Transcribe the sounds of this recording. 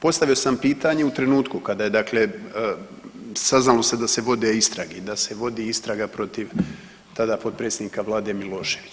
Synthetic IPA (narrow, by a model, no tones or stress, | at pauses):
po̞st̪aʋio̞sampiːt̪aɲe̞ut̪ɾe̞nuːt̪kukad̪aːje̞d̪akle̞ | saznalo̞sed̪ase̞ʋo̞d̪eist̪ɾaɡed̪ase̞ʋo̞d̪iːist̪ɾaɡapɾo̞t̪iʋ | t̪ad̪apo̞t̪̚pɾet̪sʲed̪niːkaʋlˠaːd̪e̞milo̞ːʃe̞ʋi